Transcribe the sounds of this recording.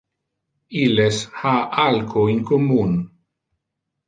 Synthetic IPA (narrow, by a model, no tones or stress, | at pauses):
ileshaʔalkʰoiŋkomun